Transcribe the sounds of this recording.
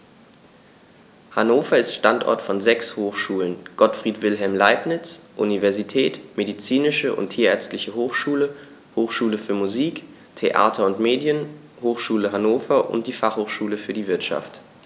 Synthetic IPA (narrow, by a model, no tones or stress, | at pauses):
hanoːfɐɪstʃtantʔɔ̰ɐtfɔnzɛkshoːxʃuːlənɡ̥ɔtfʁ̥iːtv̥ɪlɦɛlmlaɪpnɪt͡sʔunivɛɐzitʰɛːtmedit͡siːnɪʃəʔʊ̰ntʰiːɐɛɐt͡stlɪçəɦoːxʃuːlə | hoːxʃuːləfyːɐmuziːk | tʰeʔa̰ːtʰɐʊntmeːdjən | hoːxʃuːləɦanoːfɐʔʊ̰nt̚d̥iːfaχhoːxʃuːləfyːɐdiːvɪɐtʃa̰ft